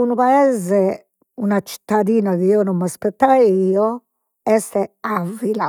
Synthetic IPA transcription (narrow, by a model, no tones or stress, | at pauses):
unupaɛːzɛ | unat͡ʃi̥t̪ːad̪iːnaɣiiɔnɔmːaspɛt̪ːajiːɔ | ɛst̪ɛavːila